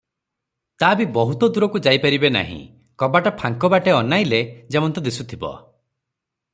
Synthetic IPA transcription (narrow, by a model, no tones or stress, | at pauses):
t̪abibɔɦut̪ɔd̪uɾɔkud͡ʒajpaɾibena̰ɦḭ̃ | kɔbaʈapʰaŋkɔbaʈeɔnajled͡ʒemɔnt̪ɔd̪isut̪ʰibɔ̰